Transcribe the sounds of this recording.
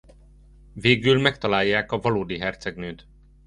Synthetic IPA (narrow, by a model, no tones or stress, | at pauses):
veːɡylmɛkt̪ɒlaːjːaːkɒvɒloːd̪iɦɛrt̪sɛɡnøːt̪